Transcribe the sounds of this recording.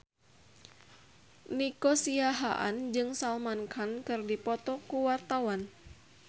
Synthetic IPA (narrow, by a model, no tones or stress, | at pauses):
nikɔsiaɦa̰ʔa̰nd͡ʒɨŋsalmankʰankɨrdipɔt̪ɔkuwart̪awan